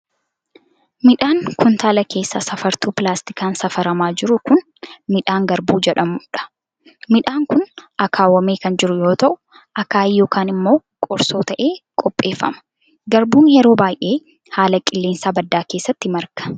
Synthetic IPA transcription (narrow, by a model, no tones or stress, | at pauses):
mɪᶑaːŋkʰʊnt̪aːlɐke̞ːsːasɐfɐɾt̪uːpɪlaːst̪ɪ̥kaːnsɐfɐɾɐmaːd͡ʒɪɾʊkʊn | mɪᶑaːŋɡɐɾbuːd͡ʒɛᶑɐmuːᶑɐ̥ | mɪᶑaːŋkʊnɐkʰaːwɐme̞ːkɐnd͡ʒɪɾʊjo̞ːt̪ɐʔʊ | ʔɐkaːjːo̞ːkaːnɪmːo̞ːkʼɔɾso̞ːt̪ɐʔe̞ːkʼɔpʼːe̞ːfːɐ̰mɐ̥ | ɡɐɾbuːnjɛɾo̞ːbaːjʔe̞ː | haːlɐkʼɪlːeːnsaːbɐd̪ːaːkeːsːɐt̪ːɪmɐɾkɐ̥